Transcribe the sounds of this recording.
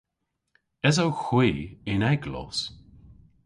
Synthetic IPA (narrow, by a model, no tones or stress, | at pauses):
ɛzowxwiːɪnɛɡlɔ̰s